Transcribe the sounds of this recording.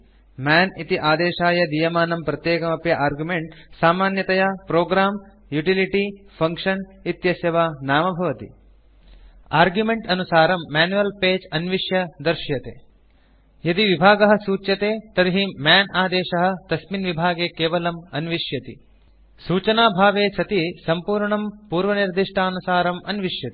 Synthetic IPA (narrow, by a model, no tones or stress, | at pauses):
maːnit̪iʔaːd̪eːʃaːjɐd̪ijɐmaːnɐmpɾɐt̪jeːkɐmɐpjɐʔaːɾɡjumeɳʈsaːmaːnjɐt̪ɐjɐpɾoːɡɾaːm | juʈiliʈi | pʰɐŋkʂɐnit̪jɐsjɐʋanaːmɐbʱɐʋɐt̪ḭ | aːɾɡjumeɳʈɐnusaːɾɐmːaːnuʋɐlpeːd͡ʒɐnʋiʂjɐd̪ɐɾʃjɐt̪ḛː | jɐd̪iʋibʱaːɡɐɦɐ̆suːt͡ʃjɐt̪eːt̪ɐɾiɦimjaːnaːd̪eːʃɐɦɐ̆t̪ɐsminʋibʱaːɡeːkeːʋɐlɐmɐnʋiʂjɐt̪ḭ | suːt͡ʃɐnaːbʱaːʋeːsʰɐt̪isɐmpuːɾɳɐmpuːɾʋɐniɾd̪iʂʈʰaːɐnusaːɾɐmɐnʋiʂjɐt̪i